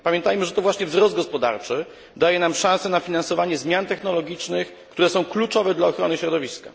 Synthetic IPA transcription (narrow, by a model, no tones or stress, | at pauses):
pamʲjɛnt̪ajmɘʐɛt̪ɔvwaɕɲɛvzɾɔzd̪̚ɡɔspɔd̪a̰ɾt͡ʂɘ | d̪ajɛnamʂãñsɛnafʲinansɔvaɲɛzmʲjant̪ɛxnɔlɔɡʲit͡ʂnɘx | kt̪uɾɛsɔ̃w̃klut͡ʂɔvɛd̪laɔxɾɔnɘɕɾɔd̪ɔvʲiska